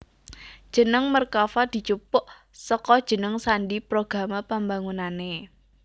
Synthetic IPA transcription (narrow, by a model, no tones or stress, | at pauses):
d̥ʒ̥ə̤nəŋmərkafad̪̥i̤t͡ʃupʊʔ | səkɔd̥ʒ̥ə̤nəŋsanɖipɾoɡ̥a̤mapambaŋunane